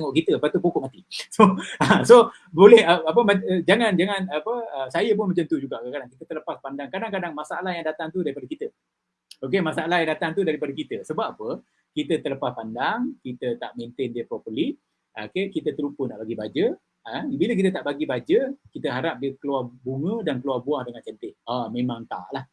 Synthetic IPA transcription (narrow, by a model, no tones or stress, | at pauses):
əŋɔʔkit̪əəpat̪upokɔʔmat̪isoaso | bolɛhəap̬əmad͡ʒaŋand͡ʒaŋanapəəsajəp̬ʊnməɲd͡ʒənt̪uhd͡ʒuɡaʔkəkadaŋkit̪ət̪ələpaspandaŋkadaŋkadaŋmasaalahjaŋdat̪aŋt̪udaɾipadəkit̪ə | ok̬emasaalaɦjaŋdat̪aŋt̪udaɾipadəkit̪əsəbappə | kit̪ət̪ələpaspandaŋkit̪ət̪a̰ʔment̪ɪndiəpɾopəliʔ | ʔokekit̪ət̪əɾupənaʔbaɡibad͡ʒə | əbilək̬it̪̬ət̪aʔbaɡibad͡ʒəkit̪əɦaɾap̚diəkəluarbuŋə̃dankəluarbuahdəŋant͡ʃənt̪ɪʔ̚amẽmãŋt̪a̰ʔlah